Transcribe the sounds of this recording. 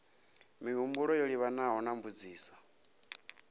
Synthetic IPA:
miɦumbuɺɔjoɺiβanaɦɔnaɱvud͡ziːsḁ

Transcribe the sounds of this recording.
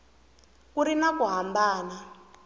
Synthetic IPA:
kuɾinakuɦambaːna

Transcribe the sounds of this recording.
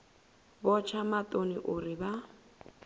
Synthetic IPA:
bɔt͡ʃʰamatʼonḭʔʊriβa

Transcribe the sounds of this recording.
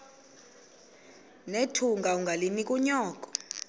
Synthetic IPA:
netʰuŋɡʱauŋɡʱalinikʼuɲɔːkʼɔ̥

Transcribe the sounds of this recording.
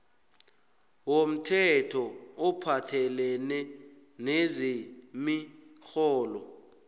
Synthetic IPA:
wom̩tʰɛtʰɔɔpʰatʰɛlɛnɛ | nezimixɔːlɔ

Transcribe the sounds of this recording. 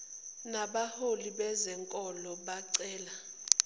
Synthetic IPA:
naɓaholiɓɛzɛŋkʼɔlɔɓaǀɛːla

